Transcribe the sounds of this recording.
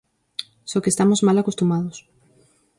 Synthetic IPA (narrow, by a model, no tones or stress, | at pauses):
sɔkest̪amozmalakost̪umað̞os